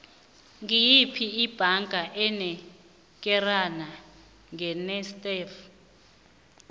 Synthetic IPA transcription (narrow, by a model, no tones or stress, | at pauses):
ŋijipʰiːb̥ʱaŋɡʱaʔɛnɛ | k̬ʼɛrana | ŋɛnɛstʼɛf